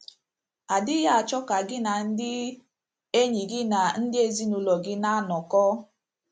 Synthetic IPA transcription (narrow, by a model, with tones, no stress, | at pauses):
a˨dɪ˦ja˦a˨t͡ʃɔ˦ka˨ɡɪ˦na˨n̩˦dɪ˦ | e˦ɲi˨ɡɪ˦na˨n̩˦dɪ˦e˦zi˦nu˨lɔ˨ɡɪ˦na˦nɔ˨kɔː˦